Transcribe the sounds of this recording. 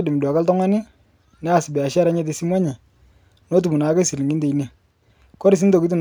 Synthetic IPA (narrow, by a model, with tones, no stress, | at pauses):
e˦di˨mɪ˨dwa˨ka˦ltɔ˦ŋa˦ni˦ | nɛ˦a˨sɪ˨bɛ˨a˨ʃa˦ɾa˦ɲɛ˦t̬e˨si˦mwa˦ɲe˨ | no˦t̬u˨mu˨na˨˦ke˦si˨li˨ŋɡi˦nde˨i˦ni˨ | kɔ˦ɾi˨s̬i˦ndo˨ki˦t̬u˨n